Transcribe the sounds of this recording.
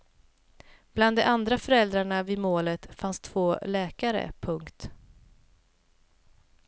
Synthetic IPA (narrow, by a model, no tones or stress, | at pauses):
b̥land̪ɛʔand̪ɾafœɾɛld̪ɾaɳavimoːlət̪fanst̪ʰv̥oːlɛːkaɾə̰pʰɵŋkt̪